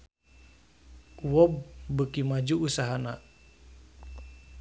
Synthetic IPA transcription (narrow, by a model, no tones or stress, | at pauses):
uwɔb̚bəkimad͡ʒuːsaɦana